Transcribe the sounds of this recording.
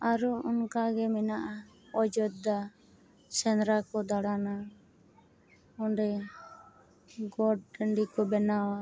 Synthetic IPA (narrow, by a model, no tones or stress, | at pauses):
aɾuɔnkaɡɛmɛnaʔa | ɔd͡ʒɔt̪̚d̪a | sɛnɾakɔd̪aɽana | ɔɳɖɛ | ɡɔɖəɳɖikɔbɛnawa